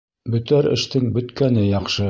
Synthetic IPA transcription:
bɵ̆t̪æɾɘ̰̆ʃt̪ɘŋbɵ̆t̪kænɘjɑχʃɤ

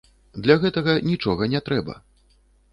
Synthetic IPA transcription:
d̪lʲaɣɛt̪ɐɣɐnʲit͡ʂɔɣɐnʲɛt̪ɾɛbɐ̰

